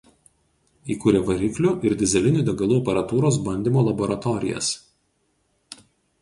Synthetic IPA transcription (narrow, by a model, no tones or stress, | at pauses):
iːkuːɾʲeːʋɐɾʲiklʲʊʔɪɾd̪ʲɪzʲɛlʲɪnʲuːˑd̪ʲɛɡɐlˠuːɐpʲɐɾɐt̪uːɾoːs̬bɐnʲd̪ʲiːˑmoːlˠɐboːɾɐt̪ɔɾʲɪ̰jɛ̰s